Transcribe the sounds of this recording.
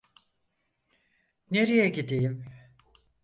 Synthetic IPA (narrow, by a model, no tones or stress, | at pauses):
neɾijɛɟid̪ijim